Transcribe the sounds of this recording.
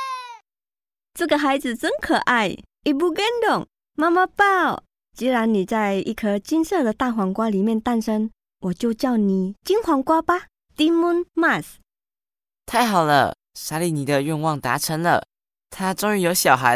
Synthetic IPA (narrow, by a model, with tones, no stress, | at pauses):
t͡sə˥˩ɡə˨xa˧˥ɪd͡zɹ̩˨˩t͡sə˥nkʰɤ˨˩ʔa˥˩ɪ | i˨˩bu˧˩ɡɛ˥nd̪ʊ˨˩ŋ | ma˥ma˧pɑ˥˩ʊ | t͡ɕi˧˥ɻa˧˦nni˨˩t͡sa˥˧ɪḭ˥˩kʰə˧˩t͡ɕi˥nsɤ˥˩d̪ə˨˩t̪a˥˩xwa˧˥ŋkwa˥li˨˩mjɛ˥˧˨nt̪a˥˧˨nʂə˥ŋ | wɔ˨˩t͡ɕjo˥˧ʊt͡ɕjɑ˥˩ʊni˨˩t͡ɕi˥nxwa˧˥ŋkwa˥pa˦ | t̪i˥mu˥nma˥˩s | t̪ʰa˥˩ɪxɑ˨˩ʊlə̰˦ | sa˥li˨˩ni˨˥d̪ə˧ɥɛ˥˧nwɑ˥˩ŋt̪a̰˧˥ʈ͡ʂʰə˧˥ŋlə̰˨ | t̪ʰa˥ʈ͡ʂo˥ŋy˧˥jo˧˥ʊɕjɑ˨˩ʊxa˧˦ɪ